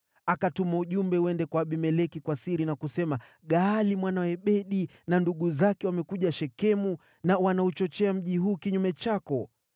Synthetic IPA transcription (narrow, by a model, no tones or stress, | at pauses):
akatumauʄumbɛwɛndɛkwaːɓimɛlɛkikwasiɾinakusɛma | ɠaːlimwanawɛɓɛɗi | nanduɠuzakɛwamɛkuʄaʃɛkɛmu | nawanaut͡ʃɔt͡ʃɛam̩ʄiɦuːkiɲumɛt͡ʃakɔ